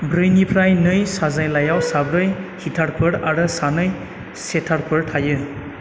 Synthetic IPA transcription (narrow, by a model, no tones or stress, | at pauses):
bɾɯjnipʰɾajnɯjsazajlajawsabɾɯjhitʰaɾpʰɯɾaɾɯsanɯj | setʰaɾpʰɯɾtʰajɯ